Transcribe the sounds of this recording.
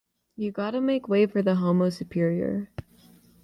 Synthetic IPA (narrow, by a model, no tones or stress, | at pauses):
jɨɡɑɾəmeɪkweɪfə˞ðəɦoʊmoʊsɨpʰɪɹiə̰˞